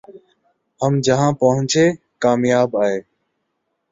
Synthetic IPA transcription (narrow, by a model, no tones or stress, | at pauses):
həmd͡ʒəɦãːpəɦʊ̃ɲt͡ʃeː | kaːmjaːbaːɦeː